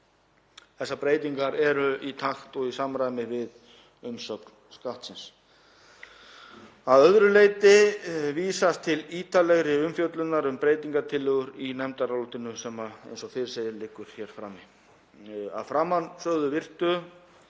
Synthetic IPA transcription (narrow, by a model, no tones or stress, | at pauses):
θɛsːapɾeːjt̪iŋkaɾɛɾʏit̪ʰaxt̪ɔɣisamɾaːjmɪvɪð | ʏmsœknskaht̪sɪns | aðœðɾʏleːjt̪ɪviːsast̪ʰɪliːt̪alɛɣɾɪʏmfjœt̪lʏt̪naɾʏmpɾeːjt̪iŋkat̪ʰɪlːʏɣʏɾinɛmt̪aɾawluht̪ɪnʏsɛmaḛjnsɔθfɪɾɪ̥sejðɪlɪkːʏɾ̥çɛɾ̥fɾaːmi | a̰ðfɾaːmansœɣðʏvɪr̥t̪ʏ